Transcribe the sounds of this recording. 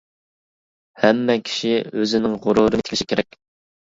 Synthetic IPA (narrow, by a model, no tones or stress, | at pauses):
hɛmːɛkʲʰi̥ʃiøzɪnɪŋʁʊɾuɾɨɡɪt̪ʰkʰʲʃi̥kʲʰeɾɛk̚ʲ